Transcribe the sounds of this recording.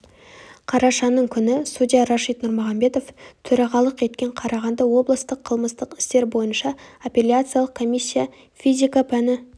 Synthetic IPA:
qʰɑɾɑʃɑnəɴkʲʰʏnɪsud̪ʲijaɾaʃijt̪nʊɾmʊʁɑmbe̞t̪o̞ft̪ʰɵɾɑʁɑlˠəqe̞t̪̚kʲe̞ɴqʰɑɾɑʁɑnd̪ɑwo̞blˠəst̪əqʰːəlˠməst̪əqɪ̥st̪e̞ɾbo̞jənʃɑapʲe̞lʲjat̪sɨjalˠəqkʰo̞mʲijsʲːija | fʲizʲikapʰænɪ

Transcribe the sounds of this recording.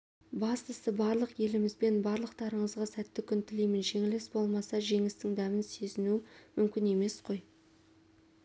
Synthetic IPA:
bɑst̪əsəbɑɾlˠəqje̞lɪmɪzbe̞nbɑɾlˠəqt̪ɑɾəɴəzʁɑsæt̪ːɪkʲʰʏnt̪ɪlejmɪnʒe̞ŋɪlesbo̞lˠmɑsɑʒe̞ŋɪst̪ɪŋd̪æmɪnsezɪnumʏmkʲɪne̞me̞sqʰo̞j

